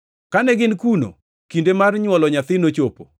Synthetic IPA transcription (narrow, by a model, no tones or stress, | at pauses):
kanɛɡɪnkuno̰ | kindemarɲwɔlɔɲat̪ɪnot͡ʃopo